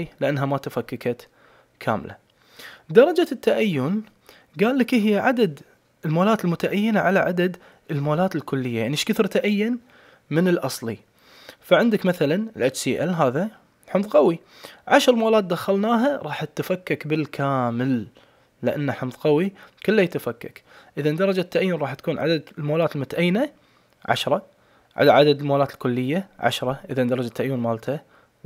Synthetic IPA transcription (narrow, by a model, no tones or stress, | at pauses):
lɪʔanːɦamat̪afakːakat̪ | kʰa̰ːmla̰ | d̪ɑɾˤɑd͡ʒat̪ːaʔajːʊn | ɡaːlːakʔɪhjaʕad̪ad̪ | ɪlmoːlaːt̪ɪlmʊt̪aʔajːɪnaʕalaʕad̪ad̪ | ɪlmoːlaːt̪ɪlkʊlːɪjːajaʕniʃkɪθɾˤt̪aʔajːʊn | mɪnɪlʔɑsˤlḭ | faʕɪnd̪ɪkmaθalanɪlʔat͡ʃsiːʔa̰lɦaːða | ħɪmðˤqɑwi | ʕaʃɾˤmoːlaːt̪̚d̪axalnaːɦaɾˤɑːħt̪ːafakːakbɪlkʰaːməlː | ɪʔa̰nːaħɪmðˤqɑwikʊlːajt̪afakːa̰kʔəðand̪ɑɾˤɑd͡ʒat̪ːaʔajːʊnˤɑːħt̪ḁkuːnʕa̰d̪ad̪lmoːlaːt̪lmʊt̪aʔajːna | ʕa̰ʃɾˤɑ | ʕa̰ʕa̰d̪ad̪lmoːlaːt̪ɪlkʊlːɪjːaʕa̰ʃɾˤɑʔɪðad̪ɑɾˤɑd͡ʒat̪ːaʔajːʊnmaːlt̪ʰa